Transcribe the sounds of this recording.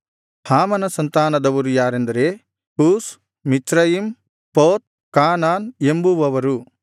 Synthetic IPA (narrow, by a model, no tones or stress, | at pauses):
haːmɐnɐsɐnt̪aːnɐd̪ɐʋɐɾujaːɾend̪ɐɾe | ʈuːs | mit͡ʃɾɐjim | poːt̪̚ | kaːnaːnembuʋɐʋɐɾu